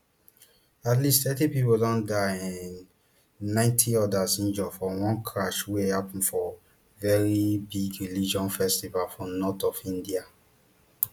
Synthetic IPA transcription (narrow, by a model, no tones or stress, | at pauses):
atlistθɛtipipodɔ̃ndaĩnː | ãɪ̃ntʰiɔdasĩnd͡ʒɔfɔwɔ̃nkʰɹaʃwehapn̩fɔ | vɛɹibiɡɹilid͡ʒɔ̃nfɛstivalfɹɔ̃nɔtɔfĩndia